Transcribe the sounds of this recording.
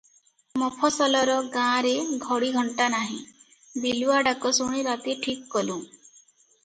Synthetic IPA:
mɔpʰɔsɔlɔɾɔɡãɾeɡʱɔɽiɡʱɔɳʈanaɦĩ | biluaɖakɔsuɽ̃iɾat̪iʈʰikːɔlũ

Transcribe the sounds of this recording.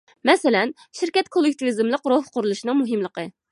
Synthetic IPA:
mɛsɪlɛn | ʃɪɾkʲɛt̪kʰolˠːɪk̚ʲt̪ʰivizɨmlˠəqɾohqʰʊɾulˠuʃinɨŋmuɦɨmlˠəqə

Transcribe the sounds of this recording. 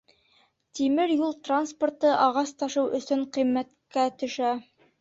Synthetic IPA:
t̪imɘɾjulˠt̪ransport̪ɤʔɑʁɑst̪ɑʃɤwʔɵ̆sɵɴqĭmːæt̪kæt̪ɵ̆ʃæ

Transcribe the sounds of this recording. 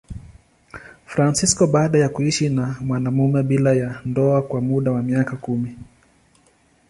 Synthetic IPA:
fɾansiskɔɓaːɗajakuiʃinamwanamumɛɓilajandɔakwamuɗawamiakakumi

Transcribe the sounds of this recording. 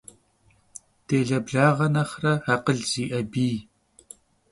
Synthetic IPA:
tʰeːɮɐbɮaːʁɐnɐχrɐhaːqəɮz̥iːʔɐbiː

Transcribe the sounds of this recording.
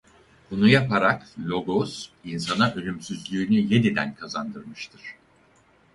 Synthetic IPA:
b̥unujapaɾaklʲo̞ɡosinsanaʔølʲymsyzlʲyːnyje̞d̪id̪æ̰nkʰazand̪ɯɾmɯʃt̪ʰɯɾ̥

